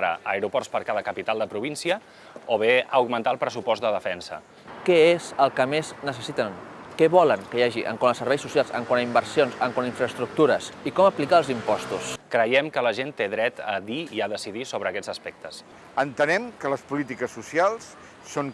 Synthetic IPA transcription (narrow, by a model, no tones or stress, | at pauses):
ɾə̰əɾupɔrspəɾkaðəkəpit̪alˠd̪əpɾuβinsiə | oβ̞eəwɣmənt̪aəlˠpɾəsupɔsd̪əðəfɛnsə̰ | kɛezəlˠkəmeznəsəsit̪əŋkɛβɔləŋkəjaʒiʔə̰ŋkwanəsəɾβɛjsusjalˠsə̰ŋkwanəimbəɾsionsəŋkwaniɱfɾəst̪ɾuk̚t̪uɾəsikɔməplikaəlˠzimpɔst̪uskɾəjɛmkələʒent̪eðɾɛt̪ə̰ðiiaðəsiðisoβ̞ɾəːkɛd͡zəspɛk̚t̪əs | ənt̪ənɛmkələspulit̪ikəsːusialˠsː | oŋ